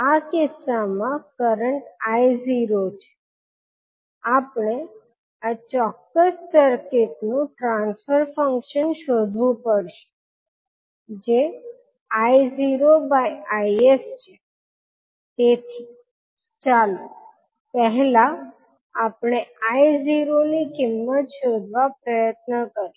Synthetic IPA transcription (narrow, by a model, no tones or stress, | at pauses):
akɪsːamãkəɾəɳʈajziɾot͡ʃʰe̥ | apɳe | at͡ʃɔkːəsːəɾketnũʈɾãnsfəɾfəŋkʃənʃod̪ʱʋũpəɾʃe̥ | d͡ʒe | aiziɾobajajest͡ʃʰe | t̪et̪ʰi | t͡ʃalo | pəɦɛlaː | pɽ̃eaiziɾonikimːət̪ʃod̪ʱʋapɾəjət̪̚nəkəɾi